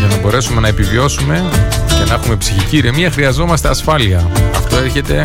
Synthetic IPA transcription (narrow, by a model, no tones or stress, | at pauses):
ʝɐnɐbo̞ɾe̞sume̞nɐepivio̞sume̞cenɐexume̞psiçiciɾiemiɐxɾiɐzo̞mɐst̪e̞ɐsfɐliɐɐft̪o̞eɾçe̞t̪e̞